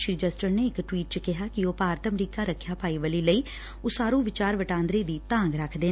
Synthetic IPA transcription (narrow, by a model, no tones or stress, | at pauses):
ʃɾiːd͡ʒəsʈəɾneːɪkʈwiːʈ̚t͡ʃəkɪɦaːkɪoːpaːɾət̪əmɾiːkaːɾəkʰːjaːpaːiːʋəliːləiː | oːsaːɾũːʋɪt͡ʃaːɾʋəʈãːnd̪ɾeːd̪iːt̪ãːŋɡɾəkʰd̪eː